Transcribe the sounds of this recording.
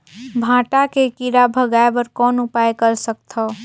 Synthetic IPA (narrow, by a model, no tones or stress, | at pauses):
bʱãːʈakekiɾabʱəɡaːebəɾkɔːnʊpaːekəɾsək̚t̪ʰɔ